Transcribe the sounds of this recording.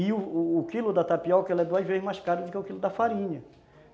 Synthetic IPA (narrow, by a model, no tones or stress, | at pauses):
ɪʊːkilʊd̪ɐt̪apiɔwkɛlɛd̪oɐzvezɪmajskaɾʊd̪ʊkɪʊkilʊd̪ɐfaɾĩɲɐ